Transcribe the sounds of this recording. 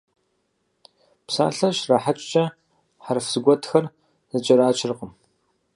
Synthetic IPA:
psa̰ːɬɐʃrɐħat͡ʃʼt͡ʃʼɐ | ħarfsɨɡʷɔtʰxɐr | zɨt͡ʃʼɐɾaːt͡ʃʰɪrqʼəm

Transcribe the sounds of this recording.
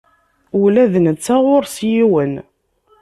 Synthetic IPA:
ulæðnət͡sːaʁʊɾsjiwən

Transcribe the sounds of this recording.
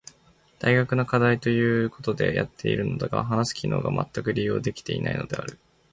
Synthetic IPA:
d̪̥aiɡakɯ̟nokad̪ait̪o̞jɯ̟ːko̞t̪o̞d̪e̞̰ja̰t̪ːe̞iɾɯ̟nod̪aɡa̰ɦanasɨ̥kʲino̞ːɡamʔat̪ːakɯ̟ɾʲijo̞ːd̪e̞kʲi̥t̪e̞ina̰ino̞d̪e̞a̰ɾɯ̟

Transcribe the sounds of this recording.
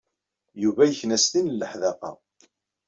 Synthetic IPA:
juvæjəçnæst̪inəlːəħðɑqɑ̰

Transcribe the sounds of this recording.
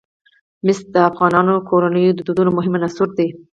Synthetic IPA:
mɪs̚d̪əafɣɑnɑnokʰoɾanəjod̪əd̪ud̪unomʊɦɪmanasuɾd̪e

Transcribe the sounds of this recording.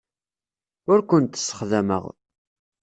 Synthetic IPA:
ʊɾkʷənt̪ə̥sːə̥χðæmə̰ʁ

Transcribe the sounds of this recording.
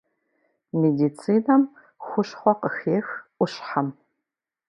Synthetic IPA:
medit͡sʰiːnɐm | xʷʊʃχʷɔqəxeːxʔʷʊɕħam

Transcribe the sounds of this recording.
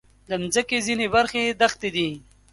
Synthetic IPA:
d̪əmzəkezinebɐɾxed̪ɐxt̪ed̪i

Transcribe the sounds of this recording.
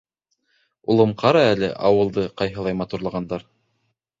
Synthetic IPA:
ulˠɤ̆mqɑɾɑælɘ̰ʔɑwɤ̆lˠd̪ɤqɑjɦɤ̆lˠɑjmɑt̪uɾlˠɑʁɑnd̪ɑɾ

